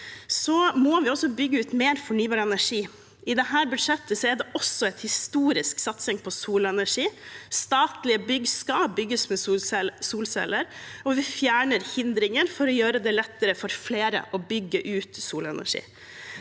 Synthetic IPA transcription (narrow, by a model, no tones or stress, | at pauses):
sɔmɔʋɪɔsːɔbʏɡːəʉːt̪meːɾfɔɳyːbɑːɾɛnæʂiː | ɪd̪ɛɦæːɾbʉd̪ʂɛt̪ːəsɔɛɖ̪ɛʔɔsːɔɛɪt̪hɪst̪uːɾɪsksɑt̪sɪŋpʰɔsuːlɛnæʂiːst̪ɑːt̪lɪəbʏɡskɑbʏɡːəsmɛsuːlsɛ̰ləɾɔʋɪfjæːɳəɾhɪnd̪ɾɪŋəɾfɔɾɔjøːɾəd̪ɛlɛt̪ːəɾəfɔɾfleːɾə̰ʔɔbʏɡːəʔʉːt̪suːlɛnæ̰ʂḭː